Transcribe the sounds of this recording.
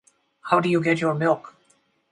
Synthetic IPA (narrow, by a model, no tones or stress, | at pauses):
haʊdɨjuɡɛtjɔɹmɪlˠk